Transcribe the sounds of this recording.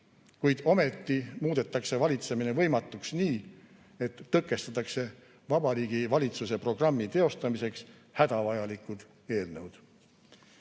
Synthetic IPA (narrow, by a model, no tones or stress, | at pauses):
kujd̪̥o̞me̞t̪ːimuːd̪̥e̞t̪ːˑɑkse̞vɑlʲit̪se̞minevɤ̞jmɑt̪ːˑuksniː | e̞t̪ːɤkːˑe̞st̪ɑt̪ːˑɑkse̞ | vɑbɑɾiːɡ̥ivɑlʲit̪suse̞pro̞ɡ̥rɑmːit̪e̞o̞st̪ɑmise̞ks | hæd̪̥ɑvɑjɑlikːˑud̪̥ | e̞ːlnɤwd̪̥